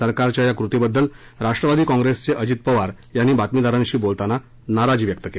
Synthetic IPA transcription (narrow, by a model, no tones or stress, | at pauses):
əɾkaɾt͡ɕjajakɾut̪ibəd̪ːəl | ɾaʂʈɾəʋad̪iːkɔ̃ŋɡɾest͡seʔəd͡ʑit̪̚pəʋaɾ | janːiːbat̪mid̪aɾãŋɕiːbolt̪ana | naɾad͡ʑiːʋjək̚t̪əke